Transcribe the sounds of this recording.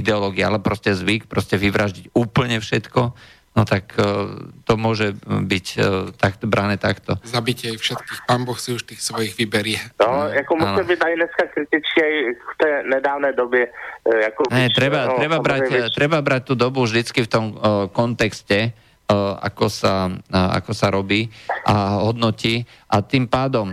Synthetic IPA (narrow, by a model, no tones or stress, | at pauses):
id̪ɛɔlɔɡiaalɛpɾɔscɛzʋikpɾɔscɛʋiʋɾaʒɟicuːpl̩ɲɛfʃɛt̪kɔ | nɔt̪ak | t̪ɔmʊɔʒɛbict̪akt̪ɔbɾanɛːt̪akt̪ɔzabicɪajfʃɛt̪kiːxpaːmbɔxsiuʃt̪iːxsʋɔjiɣʋibɛɾɪɛnojakomuanʒɛbit̪najnɛskakɾɪt̪ɪt͡skiajft̪ɛːnɛdaːvnɛːdɔbjɛjakɔɛt̪ɾɛbat̪ɾɛbabɾat̪ɾɛbabɾac̚t̪ud̪ɔbuʒd̪it͡skift̪ɔmkɔnt̪ɛkscɛ | ʔa̰kɔsaa̰kɔsaɾɔbiːʔaɦɔd̪nɔci | ʔat̪iːmpaːd̪ɔm